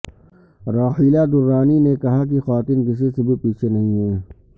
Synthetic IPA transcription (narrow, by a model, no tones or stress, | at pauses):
ɾaːhiːlad̪ʊɾːaːninekɐɦak̬ixaːt̪ɪnɡɪs̬esebʱipiːt͡ʃʰenɐɦĩɦɛː